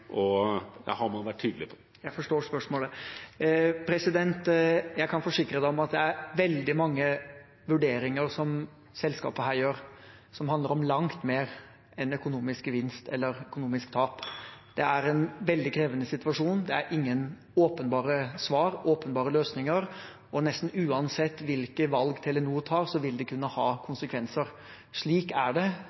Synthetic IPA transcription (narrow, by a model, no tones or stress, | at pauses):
ʔɔd̪ɑ̰hɑɾmɑnʋæʈʰːyːd̪l̩ɪpʰɔ | jæɪfɔʂʈoːʂpœʂmoːlə | pʰɾɛsɪd̪ɛnt̪jæɪkʰɑnfɔʂɪkɾəd̪ɛɔmɑt̪̚d̪ɛæɾʋɛld̪ɪmɑŋːə | ʋʉɖeːɾɪŋəɾsɔm | sɛlskɑ̰ːpəɦæːɾjøːɾ | sɔmhɑnd̪əɾɔmlɑŋt̪meːɾ | ɛnœkʊnuːmɪskʋɪnst̪ʰɛ̰lːəɾœkʊnuːmɪskt̪ʰɑːpd̪̥ɛæɾɛnʋɛld̪ɪkʰɾeːʋənəsɪt̪ʋɑʂuːnd̪ɛæɾʔɪŋːən | oːpənbɑːɾəsʋɑːɾoːpənbɑːɾəløːsnɪŋəɾ | ɔnɛst̪n̩ʉːɑnsɛt̪ːʋɪlkəʋɑlɡt̪ʰɛlɛnuːt̪ʰɑːɾsɔʋɪld̪ɛkʰʉnːəhɑːkʰʊnsəkʰʋɛnsəɾ | ʂɭiːkæɖɛ